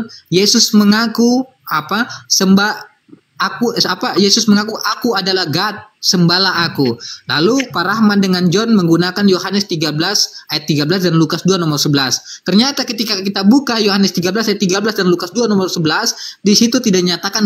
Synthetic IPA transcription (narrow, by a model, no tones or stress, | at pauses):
jesʊsməŋaku | apasəmbaː | kuapajesʊsməŋakuʔakuadalahɡat̪̚səmbalaɦakulalupaɾahmandəŋand͡ʒɔnməŋɡunakanjohanəst̪iɡabəlasajat̪ːiɡabəlasdanlukasduanɔmərsəbəlast̪ərɲat̪akət̪ikakit̪abukajohanəst̪iɡabəlasajat̪ːiɡablasdanlukasduanɔmərsəbəlasdisit̪ut̪idaʔɲat̪akan